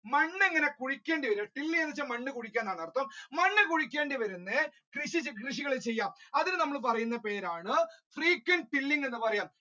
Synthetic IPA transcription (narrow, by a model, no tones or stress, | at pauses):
mɐɳːeŋːɐne̞kuɻikʲːe̞ːɳɖiʋɐɾuɐʈilːiŋenːɐit͡ɕːɐmɐɳːɨkuɽikʲːaːnːaːɳɐrt̪ːɐmːɐɳːɨkuɻikʲːe̞ːɳɖiʋɐɾunːɨ | krɨʂit͡ɕkriʂ̬iɣɐɭet͡ɕe̞jːaːmɐðinɨnɐmːɐɭp̬ɐrɐjunːɐpe̞ːɾaːɳɨfriːkːwɐnʈilːiŋɡenːɨpɐrɐjaːm